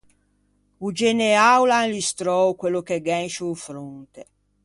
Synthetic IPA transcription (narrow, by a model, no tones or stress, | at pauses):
ud͡ʒeneawlanlist̪ɾɔwkwelːokeɡɛnʃuːfɾunt̪e